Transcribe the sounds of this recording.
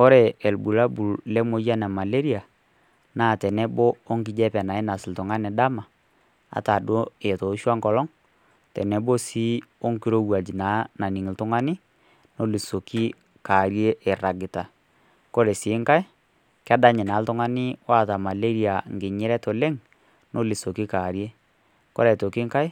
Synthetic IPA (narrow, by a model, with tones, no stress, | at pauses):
ɔ˦ɾɛ˨ɛ˨lbu˨la˦bu˨llɛ˦mo˦ja˦na˨ma˨le˦ɾi˦a˨ | naː˦˨tɛ˨nɛ˦boː˦ŋkɪ˨˦d͡ʒɛ˦pɛ˨na˨ɪ˦na˨sɪ˨ltʊ˨ŋa˦nɛ˨da˦ma˨ | a̰˨ta˨do˦e˨to˨˦ʃwa˦ŋkɔ˨lɔ˦ŋ | tɛ˨nɛ˦bo˦si˦o˦ŋki˦ɾo˦wa˨d͡ʒi˨na˨˦na˨ni˨ŋ˨ltʊ˦ŋa˦nɪ˦ | no˦li˨so˨ki˦ | ka˨ɾje˦ʔɛ˨ɾa˨ɡɪ˨ta˨ | kɔ˦ɾɛ˨sɪ˨˦ŋka˦ɪ˦ | ka˦da˦ɲɪ˨na˨˦ltʊ˦ŋa˦nɪ˦wa˦˨ta˨ma˨le˦ɾi˦a˨ŋ˨ɡɪ˨ɲɪ˦ɾɛ˦to˨le˦ŋ | no˦li˨so˨ki˦ka˨ɾje˦ | kɔ̰˦ɾɛ˨to˨kɪ˦ŋka˦i˦